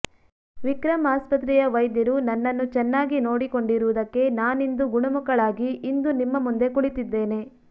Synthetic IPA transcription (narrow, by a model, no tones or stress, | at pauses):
ʋikɾɐmaːspɐt̪̬ɾijɐʋɐjd̪jɐɾunɐnːɐnːut͡ʃɛnːaːɡino̞ːɽiko̞ɳɖiɾuʋud̪ɐkːe̞naːnind̪uɡuɳɐmukɐɭaːɡiʔːnd̪unimːɐmund̪e̞kuɭit̪id̪ːe̞ːne̞